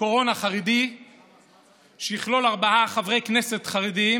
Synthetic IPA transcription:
o̞ʁo̞naχaʁidi | ʃejiχlo̞laʁbaʔaχavʁe̞jkne̞se̞tχaʁidi

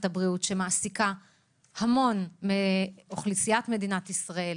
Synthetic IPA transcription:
tabʁiutʃe̞maʔːsika | hamo̞nmeoχlisijatme̞dinatisʁae̞l

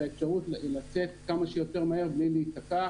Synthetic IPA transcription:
aefʃaʁutlat͡se̞t̚kamaʃejo̞te̞ʁmaeʁbliliːtaka

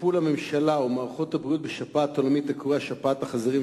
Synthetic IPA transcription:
pulhamemʃalaumaːʁχot̪habʁijut̪̚beʃapaːt̪olamit̪akoʁeaʃapataχazaʁim

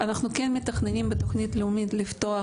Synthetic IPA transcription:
anaχnukenmit̪aχnenimbet̪oχnʲit̪leumid̪lift̪oa

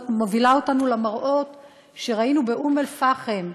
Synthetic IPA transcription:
mo̞vilaotanulamaʁʔo̞t | ʃe̞ʁainubeʔume̞lfaχem

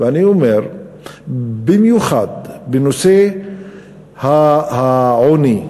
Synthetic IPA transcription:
veaniomeɾ | bimjuχad̪benose | hahaʕoni

